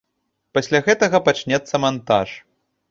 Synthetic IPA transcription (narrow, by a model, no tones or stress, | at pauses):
pasʲlʲaɣɛt̪ɐɣɐpat͡ʂnʲɛt̪sːɐmant̪a̰ʂ